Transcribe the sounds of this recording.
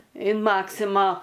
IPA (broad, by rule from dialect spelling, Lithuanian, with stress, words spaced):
ɪn ˈmɑːksʲɪmɐ